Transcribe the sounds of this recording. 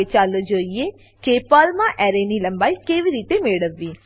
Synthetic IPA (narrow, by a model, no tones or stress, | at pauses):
et͡ʃaːlod͡ʒoːie | keːpaːlmãʔɛːɾenilə̃mbaːikeːʋiɾiːt̪emeɽəʋːiː